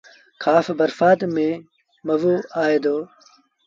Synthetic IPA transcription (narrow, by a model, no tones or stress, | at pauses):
kʰaːfbɐɾfaːt̪mẽː | mɐʋuːaːed̪oː